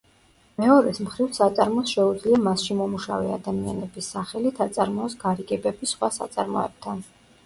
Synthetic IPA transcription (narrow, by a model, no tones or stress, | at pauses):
mɛɔɾɛsmχɾivsat̪sʼaɾmɔsʃɛud̪zliamasʃimɔmuʃa̰vɛa̰d̪amia̰nɛbisːaχɛlit̪ʰat̪sʼaɾmɔːsɡaɾiɡɛbɛbisχwasa̰t̪sʼaɾmɔ̰ɛ̰b̥̚t̪ʰan